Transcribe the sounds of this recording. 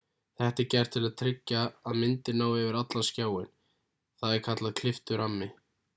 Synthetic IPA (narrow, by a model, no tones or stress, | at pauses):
θɛht̪ɪcɛɾ̥t̪ʰɪlaðt̪ʰɾɪcːaːðmɪnt̪ɪɾnaːwɛvɪɾat̪lanscaːwɪn | θaðɛɾkʰat̪laðkʰlɪft̪ʏɾamːɪ